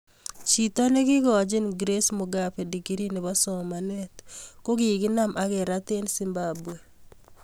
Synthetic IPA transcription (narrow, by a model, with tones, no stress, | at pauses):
t͡ʃi˨ta˦ne˦ɡɪ˦ɡɔ˨d͡ʒɪ˦nɡɾe˦smo˨ɡa˨pe˨di˨ɡi˦ɾi˦nɪ˨βa˦sɔ˨ma˨nɛ˦t̪ko˦ɡɪ˨ɡɪ˦na˦mʔa˨kɛ˨ɾa˦t̪e˦nsi˨mbabu˨e˨